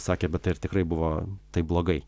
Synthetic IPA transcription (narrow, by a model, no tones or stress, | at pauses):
sɑːkʲeːbʲɛt̪ɐɪɪɾt̪ʲɪkɾɐɪbʊʋoːt̪ɐɪblˠoːɡɐɪ